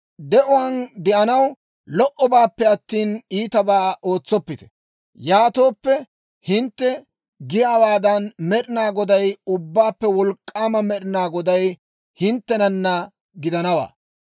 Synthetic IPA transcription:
d̪ɛʔʊwaːnd̪ɛʔɐnɐw | lɔʔɔbaːpːɛɐt̪ːiːniːt̪ɐbaːʔo̞ːt͡sːɔpːɪt̪ɛ̥ | jaːt̪o̞ːpːɛ | hɪnt̪ːɛ | ɡɪjaːwaːd̪ɐnmɛɗɪnaːɡɔd̪ɐjʊbːaːpːɛwɔlkʼːaːmɐmɛɗɪnaːɡɔd̪ɐj | hɪnt̪ːɛnɐnːɐ | ɡɪd̪ɐnɐwa̰ː

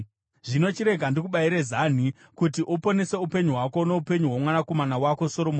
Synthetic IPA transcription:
ʐino̞t͡ʃiɾe̞ɡʱandikuɓaiɾezan̤i | kutiʔupo̞nese̞upe̞ɲuɦwako̞no̞upe̞ɲuɦwamwanako̞manawako̞so̞ɾom

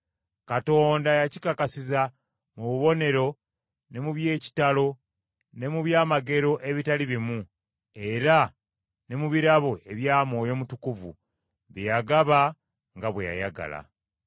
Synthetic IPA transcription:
kato̞ːndajacikakasiza | muβuβo̞ne̞ɾo̞ | ne̞muβje̞ːci̥talo̞ | ne̞muβjaːmaɡe̞ɾo̞ʔe̞βitaliβimu | e̞ɾa | ne̞muβiɾaβo̞e̞βjaːmo̞ːjo̞ːmutukuvṵ | βijaɡaβa | ŋɡaβweja̰jaɡa̰la̰

